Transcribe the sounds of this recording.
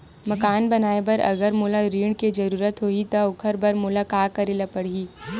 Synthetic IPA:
mɐkaːnbɐnaːebɐɾɐ̰ɡəɾmʊlaɾiːɽked͡ʒɐɾuːɾət̪ɦoːit̪aʊkʰəɾbɐɾmʊlakaːkɐɾelapɐɽ̤iː

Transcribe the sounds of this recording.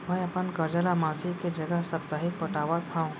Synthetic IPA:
mɛ̃ːɐpənkɐɾd͡ʒəlamaːsiked͡ʒɐɡəɦsɐpt̪aːɦɪk̚pɐʈaːʋat̪ʰaũ

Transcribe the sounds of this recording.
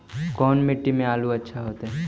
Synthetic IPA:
kɔːnmeʈːimẽaːluətːʃʰaɦoːt̪ɦɛ

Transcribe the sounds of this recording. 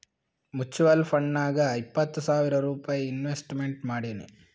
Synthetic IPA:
mut͡ʃːuʋɐlpʰɐɳːaːɡɐɐjipːɐt̪ːusaːʋiɾɐɾuːpaːjɐinʋesʈmeɳʈmaːɽinṵ

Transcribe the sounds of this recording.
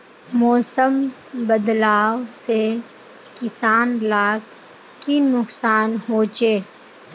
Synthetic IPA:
mɔːsəm | bəd̪laːwse | kɪsaːnlaːk | kinʊksaːnɦoːt͡ʃeː

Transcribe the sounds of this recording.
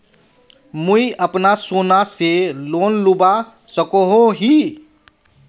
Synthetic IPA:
mʊiʔəpnasoːnaseloːnluba | səkoɦõɦi

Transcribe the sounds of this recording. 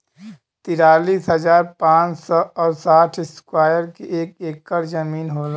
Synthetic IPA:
t̪iɾaːliːsɦəzaːɾpãːt͡ʃsɔɔːɾsaːʈʰɪskwaːjəɾkeʔeːkeːkːəɾzəmiːnɦoːla

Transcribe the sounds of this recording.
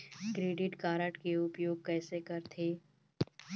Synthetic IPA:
kɾeːɖɪʈkaːɾəʈkeʊpjoːɡ̚kɛːsekɐɾt̪ʰeː

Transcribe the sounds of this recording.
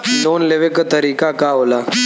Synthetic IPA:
d̪oːnleʋekət̪əɾiːkakaɦoːla

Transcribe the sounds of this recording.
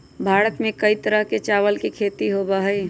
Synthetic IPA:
bʱaːɾət̪mẽkəit̪əɾəɦket͡ʃaːʋəlkikʰeːt̪iɦoːbaɦɛː

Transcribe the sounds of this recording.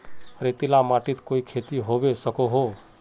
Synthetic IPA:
ɾet̪ɪlamaːʈɪt̪koːikʰeːt̪iɦoːbesəkoɦo

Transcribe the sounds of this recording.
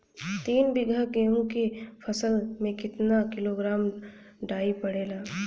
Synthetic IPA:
t̪iːnbɪɡʱakeõkepʰɐsəlmẽkɪt̪nakɪloːɡɾaːm | ɖaːipɐɽeːlaː

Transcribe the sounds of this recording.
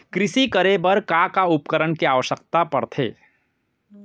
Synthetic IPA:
kɾɪsikəɾebɐɾkakaʊpkəɾəɳkiaːʋəʃəkt̪apɐɾt̪ʰḛː

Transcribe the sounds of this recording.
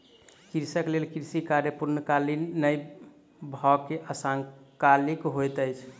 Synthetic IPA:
kiɾsəklelkiɾsikaɾjəpuɾnəkalinəj | bʱɔkeʔəsaŋkalikɦojt̪əjt͡ʃʰ

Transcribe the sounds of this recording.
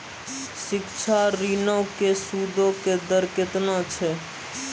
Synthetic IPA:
sɪkt͡ʃʰaɾinowkesud̪ʱoked̪əɾket̪nat͡ʃʰe

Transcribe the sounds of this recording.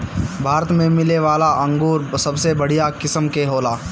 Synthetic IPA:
bʱaːɾət̪mẽmɪleʋaːlaʔɐ̃ŋɡuːɾsɐbsebɐɽ̤ijakɪsəmkeɦoːlaː

